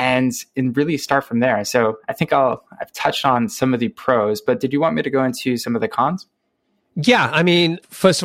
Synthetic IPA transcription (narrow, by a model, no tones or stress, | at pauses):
ɨ̃nɨ̃nɹɪlˠistɑɹtfɹʌ̃mðə˞soʊaɪθɪ̃ŋkaɪlˠaɪv̥tʰʌt͡ʃtn̩sʌ̃mʌvðɨpʰɹ̥oʊzb̥ʌt̚d̥ɨd͡ʒɨwɑ̃nmiɾɨɡoʊɪ̃ntʰʉsʌ̃mʌvðɨkʰɑ̃nz̥ | jæaɪmĩnfɜ˞st